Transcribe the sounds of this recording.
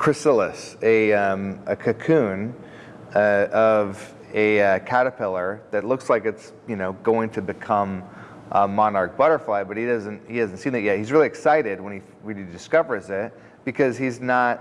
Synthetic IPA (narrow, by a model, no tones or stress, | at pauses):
kʰɹ̥ɨsɪlˠəsɨʌ̃mɨkʰɨkʰʉ̃n | ʌʔʌv | ɨʌkʰæɾɨpʰɪlˠə˞ðɨtˡlʊkslaɪkɨts | jɨnoʊɡoʊɪ̃ŋtʰɨbɨkʰʌ̃m | ʔʌmːɑnɑɹk̚b̥ʌɾə˞flaɪbʌt̚hidʌzɨ̃nt̚hihæzn̩tsĩnɨʔ̚jæhizɹɪlˠiɨksaɪɾɪd̚wə̃ni | wɨ̃nidɨskʌvə˞zɪt̚ | b̥ɨkʰʌz̥iznət̚